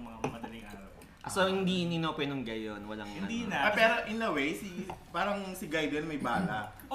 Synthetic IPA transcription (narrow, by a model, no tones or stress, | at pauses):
mɐŋamɐdɐlɪŋʔaːɾɐw | ʔsohɪnd̪iʔninopwɛnʊŋɡɐjonwɐlaŋʔɪnɐd̪inɐpɛːɾoʔɪnlɐwejsipaːɾɐŋsɪɡajd̪ɛnmɐjbaːt̪ɐʔ